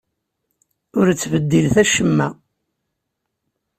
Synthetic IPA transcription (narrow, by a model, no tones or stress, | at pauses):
ʊɾt͡sːvəd̪ːilθæʃəmːæ